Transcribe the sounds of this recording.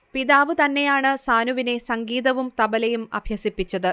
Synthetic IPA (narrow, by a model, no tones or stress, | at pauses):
piðaːʋɨt̪ɐnːe̞jaːɳɨsaːnuʋine̞sɐŋɡiːðɐʋumt̪ɐbɐlɐjumɐ̰bʱjɐsipːit͡ɕːɐðɨ